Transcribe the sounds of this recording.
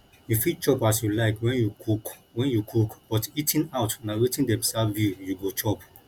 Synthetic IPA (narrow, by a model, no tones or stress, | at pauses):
jufit͡ʃɔpasjulaɪkwɛ̃njukukwɛ̃njukʰukb̥ɔtitʰĩnaʊtnawetĩndɛ̃msavjujuɡot͡ʃɔp